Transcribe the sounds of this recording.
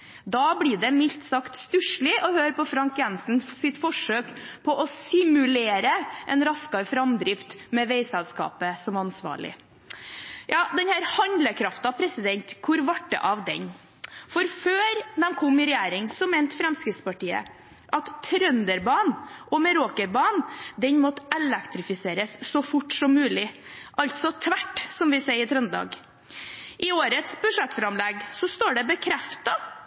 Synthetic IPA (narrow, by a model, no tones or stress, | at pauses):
d̪ɑːblɪːɖɛmɪlt̪sɑkt̪st̪ʉʂɭɪʔɔhøːɾpɔfɾɑŋkjɛnsn̩sɪt̪fɔʂøːkpʰɔʔɔsɪmʉleːɾəʔɛnɾɑskɑɾfɾɑmd̪ɾɪft̪mɛʋeɪsɛlskɑ̰ːpəsɔmɑnsʋɑ̰ːɭɪ̰ | jɑːd̪ɛnhæːɾhɑnd̪ləkʰɾɑft̪ɑpʰɾɛsɪd̪ɛnt̪kʰʊɾʋɑʈːə̰ʔɑʋd̪ɛ̰n | fɔɾføːɾd̪ɛnkʰɔmːɪɾɛjæːɾɪŋsɔmeːnt̪fɾɛmskɾɪt̪spɑʈiːə̰ | ʔɑt̪ʰɾœnd̪əɾbɑːnʔɔmɛɾoːkəɾbɑːnd̪ɛnmɔt̪ːɛlɛkt̪ɾɪfɪseːɾəsːɔfʊʈsɔmːʉːlɪʔɑlt̪sɔt̪ʰʋæʈːsɔmʋɪsæɪət̪ʰɾœnd̪ɑ̰ːɡ | ʔɪoːɾət̪sbʉʂɛt̪ːfɾɑmlɛɡsɔst̪oːɖɛbəkʰɾɛft̪ɑ